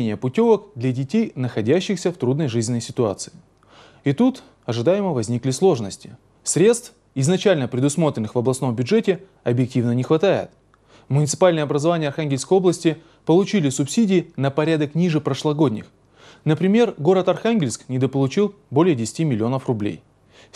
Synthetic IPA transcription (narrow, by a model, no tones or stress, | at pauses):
nʲɪjəpʊtʲo̞vəkd̪lʲɐdʲɪtʲejnəxɐdʲæɕːɪxsʲəft̪ɾud̪nəjʐɨzʲnʲɪnːəjsʲɪ̥t̪ʊa̰t̪sɨ̥ɪ | ɪt̪ut̪ | ɐʐɨd̪ajɪməvɐzʲnʲiklʲɪslˠo̞ʐnəsʲtʲɪ̥ | sɾʲe̞t̪st̪f | ɪznɐt͡ɕælʲnəpɾʲɪd̪ʊsmo̞t̪ɾʲɪnːɨxvɐblˠɐsno̞mbʲʊʐɛtʲɪ | ɐbjɪk̚tʲivnənʲɪxvɐt̪ajɪ̰t̪ | mʊnʲɪt̪sɨ̥palʲnɨjəɐbɾəzɐvanʲɪjəɐrxanɡʲɪlʲskəjo̞blˠəsʲtʲɪ | pəlˠʊt͡ɕilʲɪsʊpsʲidʲɪːnəpɐɾʲad̪əknʲiʐɨpɾəʂlˠɐɡo̞dʲnʲɪ̰x | nəpɾʲɪmʲe̞rɡo̞ɾət̪ɐrxanɡʲɪlʲsknʲɪd̪əpəlˠʊt͡ɕilˠ | bo̞lʲɪjədʲɪsʲɪ̥tʲimʲɪlʲɪo̞nəfrʊblʲḛj